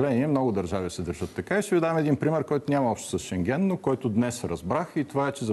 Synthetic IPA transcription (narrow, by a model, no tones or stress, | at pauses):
lɛniɛmnɔɡʊd̪ɐɾʒavisɛd̪əɾʒət̪ːɐkaiʃt̪ɛvid̪aɛmɛd̪inpɾimɛɾkɔjt̪ʊnʲamɐɔpʃt̪o̥səsʃɛŋɡʲɛnːokɔjt̪ʊd̪nɛsɾɐzbɾaxit̪ovaɛt͡ʃɛzɐ